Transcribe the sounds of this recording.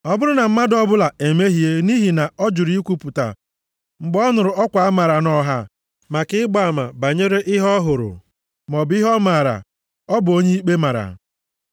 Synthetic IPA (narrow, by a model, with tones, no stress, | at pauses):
ɔ˦bʊ˦ɾʊ˦na˨m̩˦ma˦dɔ˦bʊ˦la˨e˨me˦ɦi˨e˦ni˦ɦi˨na˨ɔ˦d͡ʒʊ˨ɾi˦kʷu˦pʊ˨ta̰˨ | ŋ͡m̩˨ɡ͡bɔ˦nʊ˨ɾʊ˨ɔ˦kʷa˨a˦ma˨ɾa˨nɔ˦ɦa˦ | ma˨kɪ˦ɪ˦ɡ͡ba˨a˨ma̰˨ba˨ɲe˦ɾe˦ʔɪ˦ɦɔ˦ɦʊ˨ɾʊ̰˨ | m˨ɔ˨bɪ˦ɦɔ˦ma˨ɾa̰˨ | ɔ˦bo˦ɲe˦i˦k͡pe˦ma˨ɾa̰˨